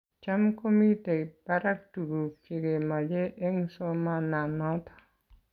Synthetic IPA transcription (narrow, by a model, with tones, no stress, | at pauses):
t͡ʃamkomi˦te˨baɾak̚tu˨ɡu˨fe˨ɡe˨ma˨d͡ʒe˦ʔɛ˦ŋsɔmana˨nɔtɔ̥